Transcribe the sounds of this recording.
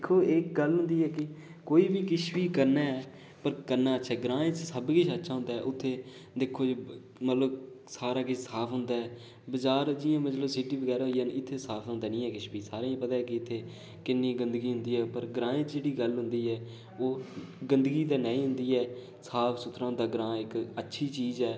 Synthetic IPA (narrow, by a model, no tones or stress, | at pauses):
d̪kʰːoːeːkɡəlɦʊ̃nd̪iːɛːkɪ | koːiːbiːkɪʃʋiːkəɾnaːɛː | pəɾkəɾnaːəʃʰaːɡɾãːɪ̃t͡ʃsəbkɪʃətːʃʰaːɦʊ̃nd̪aːɛ̰ːʔʊt̪ʰːeː | d̪eːkʰːoː | mət̪ləb | saːɾaːkɪsaːpʰɦʊnd̪aːɛː | bəd͡ʒaːɾd͡ʒɪːãːmət̪ləbsɪɖiːbəɡɛːɾaːɦoijaːnɪt̪ʰːeːsaːpʰɦõnd̪aːnĩːɛːkɪʃbiːsaːɾaːĩpəd̪aːɛkɪɪt̪ʰːeː | kɪnːiːɡənd̪əɡiːɦʊ̃nd̪iːɛːpəɾɡəɾãːɪ̃t͡ʃd͡ʒeːɽiːɡəlɦʊnd̪iːɛː | oː | ɡənd̪əɡiːd̪aːnãːĩːɦʊ̃nd̪iːɛː | saːpʰsʊt̪ʰːɾãːnd̪aːɡɾãːɪkətːʃʰiːt͡ʃiːzɛː